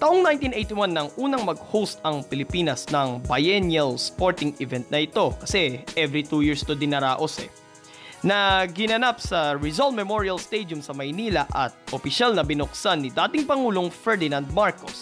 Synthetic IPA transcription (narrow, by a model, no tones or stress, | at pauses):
t̪aʔoŋnajnt̪inʔejt̪ɪwanːɐŋʔuːnɐŋmɐɡ̚howst̪ɐŋpɪlɪpiːnɐsnɐŋbɐjɛnjɐlspo̞ɹt̪ɪŋɪvɛnt̪̚nɐʔɪt̪o̞kɐsɛʔɛvɾit̪uːjiɹst̪od̪ɪnɐɾaːʔosɛ̰ | nɐɡɪnɐnap̚sɐɹɪzolt̪̚mɛmoɹiɐlst̪ejd̪jʊmsɐmɐjniːlɐʔɐt̪̚ʔopɪʃalnɐbɪnʊksanːɪd̪aːt̪ɪŋpɐŋuːlo̞ŋfɛɹd̪ɪnãnd̪̚maɹkos